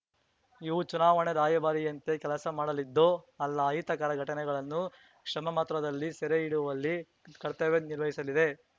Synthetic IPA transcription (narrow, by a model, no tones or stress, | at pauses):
iʋut͡ʃunaːʋɐɳed̪aːjɐbaːɾijɐnt̪e̞kɛlɐsɐmaːɽɐlid̪ːo | ɐlːɐːjit̪ɐkaːɾɐɡʱɐʈɐnɛɡɐɭɐnːu | kʂɐmɐmɐt̪ɾɐd̪ɐlːisɛɾeiɽuʋɐlːi | kɐɾt̪ɐʋeniɾʋɐɦisɐlid̪e̞